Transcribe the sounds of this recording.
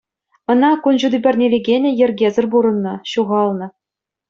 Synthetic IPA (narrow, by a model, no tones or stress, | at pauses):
ɤ̆nɑkunʑud̪ybʲɘ̆rʲnʲelʲeɡʲenʲɘ̆jɘ̆rʲɡʲezʲɘ̆rbuɾɤ̆nːɤ̆ɕuʁɑlˠnɤ̆